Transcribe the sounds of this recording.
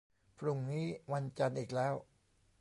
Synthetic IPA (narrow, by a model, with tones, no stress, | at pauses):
pʰɾu˨˩ŋniː˦˥wa˧nt͡ɕa˧nʔiː˨˩k̚lɛː˦˥w